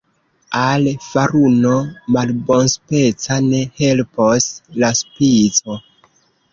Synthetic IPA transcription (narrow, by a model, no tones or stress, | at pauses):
alfaɾuno̞malbo̞nspe̞t͡sane̞he̞lposlaspit͡so̞